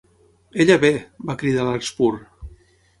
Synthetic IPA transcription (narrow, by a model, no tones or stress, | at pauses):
eʎaβebakɾiðalakspuɾ